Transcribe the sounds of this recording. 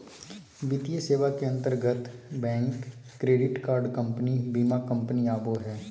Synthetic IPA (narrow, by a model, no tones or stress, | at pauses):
bɪt̪ijəseːʋakeɐ̃nt̪əɾɡət̪bɛ̃ːŋkː | ɾeːɖɪʈkaːɾɖkə̃mpnibiːmakə̃mpəniaːboɦɛː